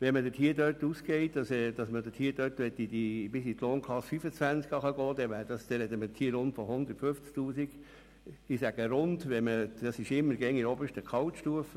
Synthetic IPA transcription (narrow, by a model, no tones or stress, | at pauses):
ʋɛmədəthiːədøtːuːskɛɪtd̥ɑsɛd̥ɑsmədətʰhiːd̥øtʋɛt̪ːidib̥ɪsit̪loːnkʰlɑsfyfət͡sʋænt͡skɑχɑɡɔːd̪ɛʋæːɾdɑsd̥̪ɛɾɛd̪əmət̪ʰiːəɾʊntfɔhʊnd̪əɾtføft͡sk̚t̪uːsiɡ̥ | d̥isæɡ̥əɾʊndʋɛməd̥ɑsɪʃɪmːəɾɡɛŋiɾɔbəʃtəkʰɑwtʃtuəfə